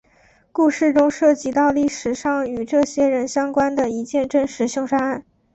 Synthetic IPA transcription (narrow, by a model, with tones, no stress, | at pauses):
ku˥˧ʂɻ̩˥˩ʈ͡ʂʊ˥ŋʂɤ˥˩t͡ɕi˧˥t̪ɑ˥˧ʊli˥˩ʂɻ̩˨˩ʂɑ˥˩ŋy˨˩ʈ͡ʂɤ˥˩ɕjɛ˥ɻə˧˥nɕjɑ˥ŋkwa˥nd̪ə˨i˧˥t͡ɕjɛ˥˧nʈ͡ʂə˥˧nʂɻ̩˧˥ɕjɑ˥˧ŋʂa˥a˥˩n